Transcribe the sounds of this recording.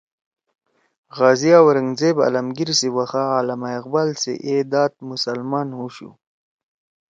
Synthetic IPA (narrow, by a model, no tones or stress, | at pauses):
ɣɑzijawaɾəŋzeba̰lamɡiɾsiwaxaːlamajqbalsḛʔed̪ɑːt̪̚mʊsalmɑːnhuɕṵ